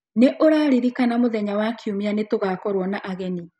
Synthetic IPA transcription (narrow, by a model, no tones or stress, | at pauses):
neʔoɾaɾiɾikanamoðɛɲawakʰiumianetoɣakɔɾwɔnaʔaɣɛni